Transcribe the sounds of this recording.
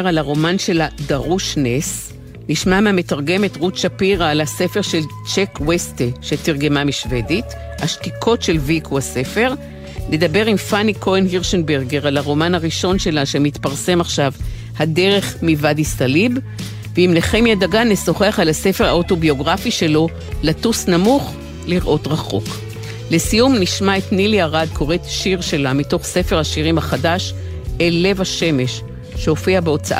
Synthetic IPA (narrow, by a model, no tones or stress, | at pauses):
ʁalaʁo̞manʃe̞ladaʁuʃnes | niʃmameame̞taʁɡe̞metʁutʃapiʁaːlase̞fe̞ʁʃe̞l | t͡ʃekwesteʃetiʁɡe̞mamiʃve̞dit | haʃtikʰo̞tʃe̞lvikʰuase̞fe̞ʁ | le̞d̪abe̞ʁimfanikʰo̞enhiʁʃenbeʁɡeʁalaʁo̞manhaʁiʃo̞nʃe̞laʃemit̪paʁse̞maχʃav | hade̞ʁe̞χmivadistalib | veimleχe̞mjadaɡaneso̞χeaχalase̞fe̞ʁaoto̞bio̞ɡʁafiʃe̞lo̞ | latusnamuχ | liʁʔo̞tʁaχo̞̰k | le̞sijumniʃmae̞tniliaʁad̚kʰo̞ʁetʃiʁʃe̞lamito̞χse̞fe̞ʁhaʃiʁimhaχadaʃ | ele̞vaʃe̞me̞ʃ | ʃeo̞fiabeo̞t͡saʔ